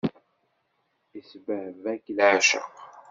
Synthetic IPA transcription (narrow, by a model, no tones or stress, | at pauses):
isbəʕvækːlʕaʃə̰q